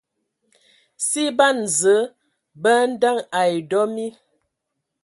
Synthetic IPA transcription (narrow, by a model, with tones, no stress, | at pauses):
si˦ba˦n˨zə˨˦ | bə˦n̩˦da˦ŋa˨jdɔ˦mi˦